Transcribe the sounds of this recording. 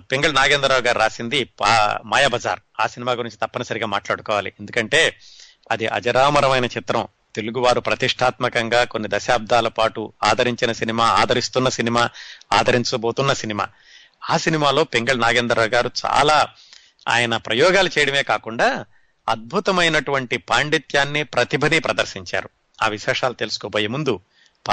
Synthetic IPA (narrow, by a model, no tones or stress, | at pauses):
peŋɡɐɭnaːɡeːnd̪ɾɐɾaːwuɡaːɾuɾaːsind̪ipamaːjabɐd͡ʒa̰ːɾ | a̰ːsinimaːɡuɾiɲt͡ʃit̪ɐpːɐnɐsɐɾiɡaːmaːʈlaːɽukɔːʋaːliʔend̪ukɐɳʈe̞ː | ɐd̪iʔɐ̰d͡ʒɐɾaːmɐɾɐmɐjnɐt͡ʃit̪ɾɐm | t̪eluɡuʋaːɾupɾɐt̪iʂʈʰaːt̪mɐkɐŋɡaːko̞nːid̪ɐʃaːb̚d̪ʱaːlɐpaːʈuaːd̪ʱɐɾiɲt͡ʃinɐsinimaːaːd̪ʱɐɾist̪unːɐsinimaːaːd̪ʱɐɾiɲt͡ʃɐboːt̪unːɐsinima̰ː | aːsinimaːlo̞ːpiŋɡɐɭnaːɡe̞ːnd̪ɾɐɐːɡaːɾut͡ʃa̰ːlaː | a̰ːjɐnɐpɾɐjɔːɡaːlut͡ʃɛːjɐɽɐme̞ːkaːkuɳɖaː | ɐd̪̚bʱut̪ɐmɐjnɐʈuʋɐɳʈipaːɳɖit̪jaːnːipɾɐt̪ibʱɐnipɾɐd̪ɐɾʃiɲt͡ʃa̰ːɾu | aːʋiʃɛːʂaːlut̪e̞lusu̥koːboːjimund̪u | p